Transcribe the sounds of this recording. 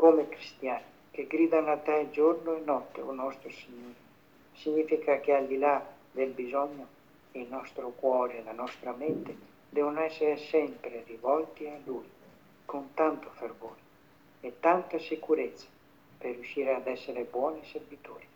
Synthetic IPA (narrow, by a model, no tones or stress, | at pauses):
komekɾist̪jaːni | k̟eɡɾiːd̪anat̪ːɛd͡ʒoɾnoenɔt̪ːḛonɔst̪ɾosiɲoːɾi | siɲːifikakeald̪ila | d̪elbizɔɲːo | einɔst̪ɾokwɔːɾeːlanɔst̪ɾamɛnt̪e | d̪ɛvonoɛsːeɾesɛmpɾerivɔlt̪ialuj | kont̪ant̪ofeɾvoːɾi | et̪ːant̪asekuɾet̪sːḁ | perːjuʃiːɾead̪ɛsːeɾebwɔːniseɾvit̪oːɾi